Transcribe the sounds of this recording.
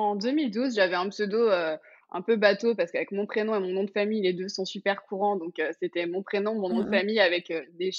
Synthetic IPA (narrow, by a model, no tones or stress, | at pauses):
ɑ̃d̪ømild̪uzʒavɛɛ̃psød̪oø | ɛ̰̃pøbat̪opaʁsə̥kavɛkmɔ̃pχenɔ̃emɔ̃nɔ̃d̪əfamijled̪øsɔ̃sypɛʁkuʁɑ̃d̪ɔ̃køset̪ɛmɔ̃pχenɔ̃mɔ̃nɔ̃d̪əfamijavɛkød̪e